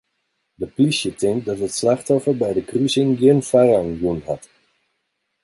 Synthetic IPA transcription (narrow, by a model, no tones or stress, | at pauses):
dəplisjətɪŋ̚dɑtɦətslɑχtɔfəɹbɛjdəkryzɪŋɡɪnfaraŋjunɦɑt